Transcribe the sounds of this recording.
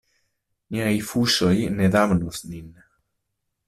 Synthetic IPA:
ɲaifusojneðamnosnin

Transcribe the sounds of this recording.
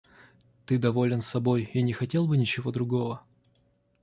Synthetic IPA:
t̪ɨd̪ɐvo̞lʲɪnsɐbo̞jinʲɪxɐtʲe̞lˠbɨnʲɪt͡ɕɪvo̞d̪ɾʊɡo̞və

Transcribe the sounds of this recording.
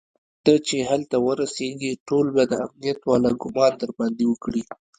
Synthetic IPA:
t̪ət͡ʃeɦalt̪awəɾaseɡiʈolbad̪əa̰mnijat̪wɑlaɡʊmɑnd̪əɾband̪iwəkɽi

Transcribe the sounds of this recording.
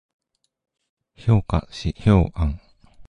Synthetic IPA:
çoːka̰ɕiçoːʔãŋ

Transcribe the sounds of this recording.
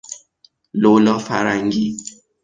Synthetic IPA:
lolɔfaɾaŋɡi

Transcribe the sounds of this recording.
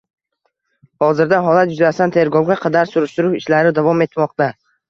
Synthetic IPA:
hɒzɪɾd̪aɦɒlat̪jʊzast̪ant̪ʰe̞ɾɡɒwɡʲaqʰɑd̪aɾsʊɾɪʃt̪ʊɾʊʃɪʃlaɾɪd̪avɒme̞t̪mɒqt̪a

